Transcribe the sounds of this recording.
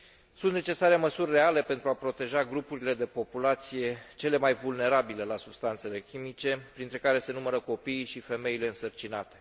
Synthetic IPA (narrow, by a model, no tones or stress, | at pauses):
sunt̪ne̞t͡ʃe̞saɾe̞məsurʲːe̞ale̞pe̞nt̪ɾuapɾo̞t̪e̞ʒaɡɾupuɾile̞d̪e̞po̞pulat̪sije̞t͡ʃe̞le̞majvulne̞ɾabile̞lasubst̪ant̪se̞le̞kʲimit͡ʃe̞pɾint̪ɾe̞kaɾe̞se̞numəɾəko̞piːʃife̞me̞ile̞ɨnsərt͡ʃinat̪e̞̥